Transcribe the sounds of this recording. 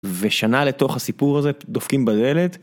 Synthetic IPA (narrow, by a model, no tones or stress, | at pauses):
veʃanale̞to̞χhasipuʁaze̞d̪ofkimbadelet̪